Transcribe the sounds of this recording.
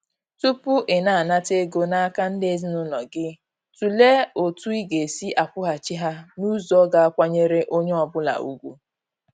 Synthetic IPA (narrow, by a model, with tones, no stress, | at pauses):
tu˦pʊ˦ʔɪ˨na˨a˨na˦te˦ɡo˦na˦a˦ka˦n̩˦de˦zi˦nʊ˦lɔ˨ɡɪ˦ | tu˨le˦o˨tu˦i˦ɡe˨si˦ʔa˨kʊ˦ɦa˨t͡ʃi˦ɦa˦nu˦zɔ˦ɡa˨a˦kʷa˦ɲe˦ɾe˦ʔo˦ɲe˦ɔ˨bʊ˦la̰˨ṵ˦ɡʷu˦